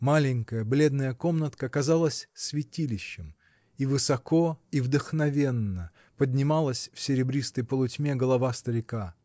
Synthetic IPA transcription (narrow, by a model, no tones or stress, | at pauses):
malʲɪŋʲkəjəblʲe̞d̪nəjəko̞mnət̪kəːkɐzalˠəsʲsvʲɪtʲilʲɪɕːɪm | ivɨsɐko̞ivd̪əxnɐvʲe̞nːə | pədʲnʲɪmalˠəsʲfsʲɪɾʲɪbɾʲist̪əjpəlˠʊtʲmʲeɡəlˠɐvast̪əɾʲɪka